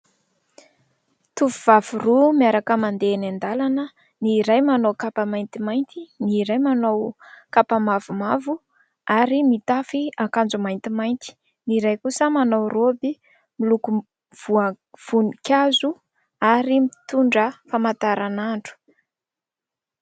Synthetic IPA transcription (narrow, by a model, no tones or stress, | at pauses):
t̪uvuv̥avurumiaɾakəmand̪enand̪alanə | niːɾajmanowkapamajnt̪imajnt̪iniɾajmanowkapamavumavu | aɾimit̪afiakand͡zumajnt̪imajnt̪i̥ | niɾajkusəmanawrobi | miluku | v̥uə | v̥unikʲazu | aɾimit̪uɳɖ͡ʐəfamat̪aɾanaɳɖ͡ʐu̥